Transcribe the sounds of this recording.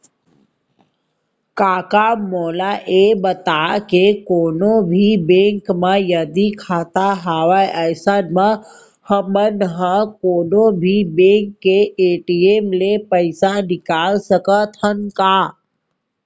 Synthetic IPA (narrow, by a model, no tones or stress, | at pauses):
kaːkamoːlaʔebət̪akekoːnobʱibẽŋkməjəd̪ikʰaːt̪aɦaːʋajʔəjsənmə | həmənɦəkoːnobʱibẽŋkːeeːʈiemlepəɪsanɪkaːlsəkət̪ʰənkaː